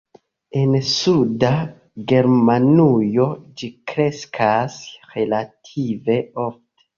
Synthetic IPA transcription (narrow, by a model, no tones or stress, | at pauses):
e̞nsuda | ɡe̞ɾmanujo̞d͡ʒikɾe̞skʰasɾe̞latʰive̞o̞fte̥